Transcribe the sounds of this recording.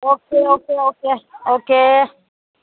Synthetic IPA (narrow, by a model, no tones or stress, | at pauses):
ok̚eokeokeoke